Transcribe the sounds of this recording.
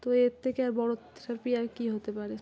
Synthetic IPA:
t̪oeɾt̪ʰekeaɾbɔɽot̪ʃaɾpiaɾkiɦot̪epaɾe

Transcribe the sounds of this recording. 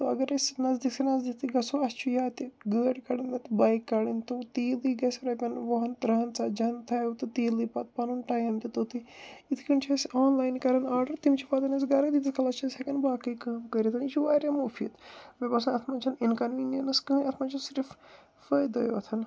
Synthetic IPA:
t̪oɐ̰ɡɐɾɐsnɐzd̪iksɐnɐzd̪it̪iɡɐsoɐst͡ʃʰujaːt̪iɡɨɐʈkɐɽind̪ɐt̪ibɐːjkːɐɽint̪ut̪iːliːɡɐsɾɐpʲɐnʋoɦɐnt̪ɾɐɦɐnt͡sad͡ʒɐnt̪ʰɐːjwt̪ɨt̪iːliːpɐt̪̚pɐnunʈaːjɐnt̪it̪oːt̪iit̪ʰkʰint͡ʃʰɐsoːnlaːjnkɐɾɐnaːɾɖɐɾt̪imt͡ʃʰipaːt̪ɐnɐsɡɐɾɐd̪it̪ʰikʰɐlɐst͡ʃʰɐsʲɐkɐnbaːkɐjkɐmkɐɾʲit̪ʰɐnit͡ʃʰuʋaːɾʲɐmuːfʰit̪mɐbɐsɐnɐt̪ʰmɐt͡ʃʰɐninkɐnʋiːnjɐnɐskɨnɐt̪ʰmɐt͡ʃʰɐnsiɾif | fəjd̪ɐ̰joɐ̰t̪ʰɐn

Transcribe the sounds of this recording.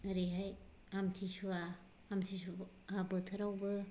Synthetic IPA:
ɾiɦaj | amtʰisuaː | mtʰisu | abətʰɐɾawbɯ

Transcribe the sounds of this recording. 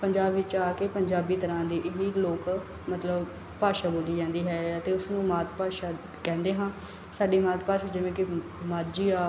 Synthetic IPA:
pəɲd͡ʒaːbʋɪt͡ʃaːkeːpəɲd͡ʒaːbiːt̪əɾãːd̪iːʔɪʋiːloːk | mət̪ləb | paːʃaːboːd͡ʒiːd͡ʒãːnd̪iːɦɛːət̪eːʊsnũːmaːt̪paːʃaː | kɛ̃ːnd̪eːɦãː | saːɖiːmaːt̪paːʃaːd͡ʒɪʋẽːkɪ | maːd͡ʒiːaː

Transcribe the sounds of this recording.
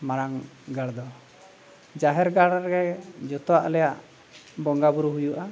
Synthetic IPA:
maɾaŋ | ɡaɽd̪ɔ | d͡ʒaɦɛɾɡaɽɾɡɛd͡ʒɔt̪ɔwaʔlɛjaʔ | bɔŋɡabuɾuɦujuʔa

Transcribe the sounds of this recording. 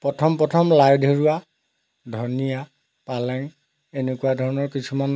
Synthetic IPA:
pɔtʰɔmpɹɔtʰɔmlajdʱoɹua | dʱɔnija | palɛŋ | enekuwadʱɔɹɔnɔɹkisʰuman

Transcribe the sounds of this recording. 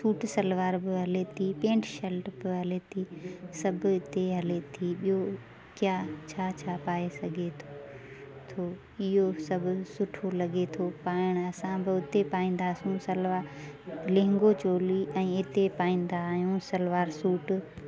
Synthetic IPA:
suːʈsɐlʋaːɾbɪɦɐlet̪ʰipẽːɳʈʃɐlʈbɪɦɐlet̪ʰiːsɐbʱɪt̪eɦɐlet̪ʰiːɓijɦo | kjaːt͡ɕʰaːt͡ɕʰaːpaːesɐɡʱet̪ʰo | t̪ʰoː | ɪɦosɐbʱʊ̆sʊʈʰolɐɡet̪ʰopaːɪɽ̃ɐsãbɪʊt̪epaːĩːn̆d̪aːsũsɐlʋaː | lẽɦɪ̃ŋɡot͡ɕoːliɛ̃ːɪt̪epaːĩːn̆d̪aɦũsɐlʋaːɾsuːʈ

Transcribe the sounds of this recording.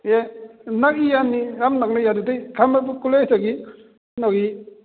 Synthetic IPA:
enak̚ijanːiɾamnak̚najadutejkʰamabukulajtaɡi | nɔɡi

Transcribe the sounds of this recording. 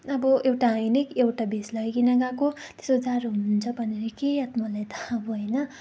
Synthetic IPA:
ʌbʌʔewʈainikewʈabeslʌɡekinaɡakot̪e̥sod͡zaɾoɦununt͡sʰʌbʱʌneɾʌkeʌt̪mʌlajt̪ʰaʌbʌɦʌjnʌ

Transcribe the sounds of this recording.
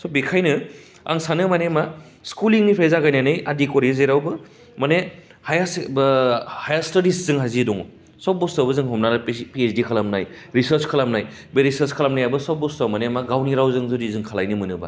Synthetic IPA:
sɔbikʰajnɯ | a̰ŋsanɯmanema | skuliŋnipʰajzaɡajnanɯjadikɔɾizeɾawbɯ | mane | hajasbhajastaɾiszɯŋɦazidɔŋɔ | saw̚bɔstabɯzɯŋɦɔmnanɯpiesdikʰalamnaj | ɾisɐɾt͡ʃkʰalamnajbeɾisɐɾskʰalamnajabɯsaw̚bɔstawmanemaɡawniɾawzɯŋzudizɯŋkʰalajnɯmɯnɯba̰

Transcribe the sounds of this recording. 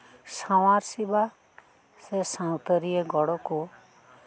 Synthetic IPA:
saw̃ãɾsiba | sesãwt̪ɔɾieɡɔɽɔku

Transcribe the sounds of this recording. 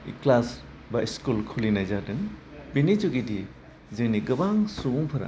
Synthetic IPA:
ḭklas | baiskulkʰulinajzadɯŋ | binid͡ʒuɡidi | zɯŋniɡɯbaŋsumpʰɯɾa̰

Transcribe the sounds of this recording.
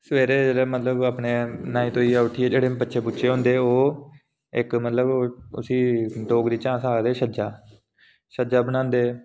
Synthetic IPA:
səʋeːɾeːd͡ʒeːɽeːmət̪ləbaːpneːnaːĩːt̪õːiːʊʈʰiːɛːd͡ʒeːɽeːpətːʃʰeːpʊtːʃʰeːɦõːnd̪eːoː | ɪkmət̪ləbʊ̰siːɖoːɡd̪iːt͡ʃãːsaːd̪eːʃəd͡ʒaː | ʃəd͡ʒaːbənãːnd̪eː

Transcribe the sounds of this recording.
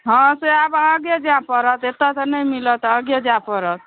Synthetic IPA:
ɦʌ̃seabəɡjed͡ʒãpəɾət̪et̪ːat̪nəjmilət̪ə̃ɡjed͡ʒãpəɾət̪̚

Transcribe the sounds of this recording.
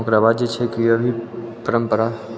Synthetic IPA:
õkɾaːʋaːd̪d͡ʒet͡ʃʰekiəbʱipəɾəmpəɾa

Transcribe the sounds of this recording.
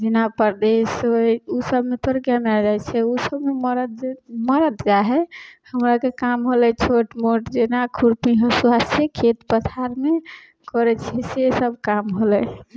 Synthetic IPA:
d͡ʒenapəɾd̪esousəbmet̪oɾɡjamead͡ʒajt͡ʃʰɛusəbmeməɾməɾət̪d͡ʒaɦɛhəmɾakekamɦolɛt͡ʃʰoʈmoʈd͡ʒenakʰuɾpiɦəsuɦasekʰːet̪pət̪ʰaɾme | kɔɾɛt͡ʃʰɛsesəbʱkamɦolɛ

